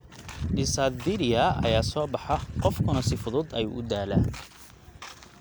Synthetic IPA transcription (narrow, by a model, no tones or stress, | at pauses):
ɖɪsad̪vɪɾɪɐɐ̰jaːsɔːbɑħɑqɔfkʰʊnɐsɪfʊðʊd̪ɐjṵːʔʊd̪aːlæ